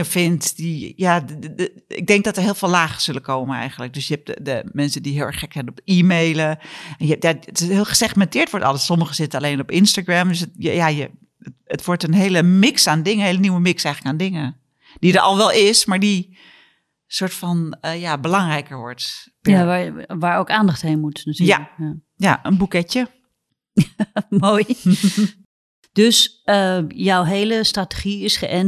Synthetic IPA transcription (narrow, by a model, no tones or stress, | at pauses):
əfɪntdija | ɪ̰ɡ̚dɛŋk̚dɔtəɹɦɪːlˠfːlaːɣə̥sʏləkʰoːmənɛ̰jɣən̩tlək̚døsjəɛp̚ədəmɛnsədiɦɪːlˠɛɹχɛkʋɛnənɔpiːmejləɛnjəjathɪːlˠxə̥sɛxmɛntɪːɹtʋɔɹtɔ̰lˠəsɔməɣəsɪtənaleːnɔpɪnstaɡramdøs̬jə̰jajə | əətʋʊɹtənɦeːləmɪksaːndɪŋənɦeləniwəmɪksɛjxələkaːndɪŋə | d̥idəɔ̰lˠʋɛlˠɪsmaɹdi | soɹtfɔnəjabəlɑŋrɛjkəɹʋɔɹtpaʋaːɹoːkaːndɑχthenmutnatyːjaəka | jaənbukɛtjə | moːj | d̥øsəjɔwɦeːləstratə̥χiɪsχəʔɛn